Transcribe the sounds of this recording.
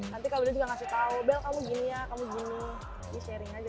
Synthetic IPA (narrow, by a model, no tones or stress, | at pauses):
nant̪ikabilad͡ʒuɡaŋasɪht̪aubɛlkamuɡinijakamuɡini | diʃɛɾɪŋad͡ʒa